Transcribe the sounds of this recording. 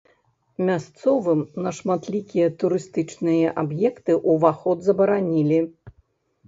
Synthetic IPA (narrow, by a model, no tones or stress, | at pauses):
mʲast̪sɔvɨmnɐʂmat̪lʲikʲijɐt̪uɾɨst̪ɨt͡ʂnɨjɐʔabjɛkt̪ɨʔuvaxɔd̪zɐbɐɾanʲilʲi